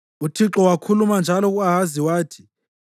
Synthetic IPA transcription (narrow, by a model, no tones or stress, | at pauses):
utʰiǁɔwakʰulumand͡ʒʱalɔɣuaɦaziwaːtʰi̥